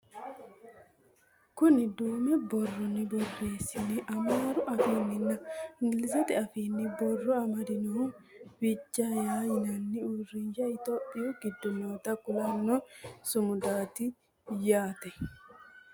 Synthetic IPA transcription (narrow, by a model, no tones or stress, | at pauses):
kʊnɪd̪oːmɛbɔrːɔnːɪbɔrːe̞ːsːɪnɪʔɐmaːɾʊʔɐfiːnːɪnːɐɪŋɡɪlɪs̬ɛt̪ɪɐfiːnːɪbɔrːɔɐmɐd̪ɪnɔ | bɪd͡ʒːajaːjɪnɐnːɪurːɪnʃɐɪt̪oːpʼːɪjuɡɪd̪ːʊnoːt̪ɐkʊlɐnːɔsʊmʊd̪aːt̪ɪ | jaːt̪ɛ